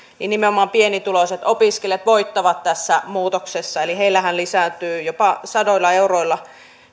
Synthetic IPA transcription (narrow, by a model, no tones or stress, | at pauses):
ninnimeomɑːmpienit̪uloset̪opiskeljet̪ʋoit̪ːɑʋɑt̪t̪æsːæmuːt̪oksesːɑeliheilːæhænlisæˑt̪yːjopɑsɑdoilːˑɑeuroilːɑ